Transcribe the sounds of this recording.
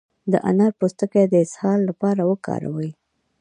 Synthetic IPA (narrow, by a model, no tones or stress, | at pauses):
d̪əʔa̰naɾpost̪əked̪əɪshɑlːapɑɾawəkɑ̰ɾa̰wəj